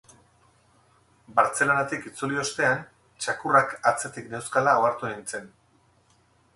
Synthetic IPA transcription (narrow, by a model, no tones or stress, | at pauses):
baɾt͡se̞lonat̪ikit͡sulio̞st̪e̞an | t͡ʃakurakat͡se̞t̪ikne̞wskalaoaɾt̪ueint͡se̞n